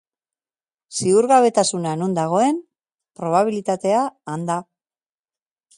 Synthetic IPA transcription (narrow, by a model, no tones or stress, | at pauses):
siuɾɣaβ̞e̞t̪asunanund̪aɣ̞o̞e̞n | pɾo̞β̞aβ̞ilit̪at̪e̞aːnd̪a